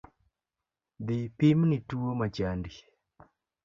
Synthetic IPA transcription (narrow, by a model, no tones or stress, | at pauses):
d̪ɪpimnituomat͡ʃandi